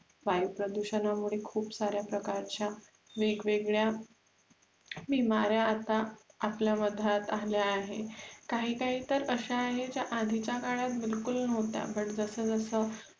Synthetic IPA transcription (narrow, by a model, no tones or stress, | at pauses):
ʋajupɾəd̪uɕənamuɭekʰuːpsaɾjapɾəkaɾt͡ɕja | ʋeɡʋeɡɭja | bimaɾjaːt̪aapljaməd̪ʱat̪aljaːɦekaɦiːkaɦiːt̪əɾəɕaːɦet͡ɕjaʔad̪ʱit͡ɕakaɭjat̪̚bilkulnəʋt̪a̰pəɳd͡zəsəːd͡zəsəː